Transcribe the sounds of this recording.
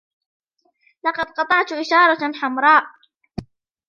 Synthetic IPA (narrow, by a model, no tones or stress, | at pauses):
lɑqɑd̪̚qɑt̪ˤɑʕt̪ʔɪʃɑːɾˤɑħamɾˤɑːʔ